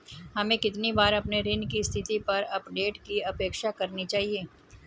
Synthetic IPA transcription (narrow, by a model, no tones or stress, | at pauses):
ɦɐmẽkɪt̪nibaːɾɐpneɾɪnkist̪ʰɪt̪ipɐɾɐpɖeːʈkiɐpeːkʃakɐɾnit͡ʃaːɦieː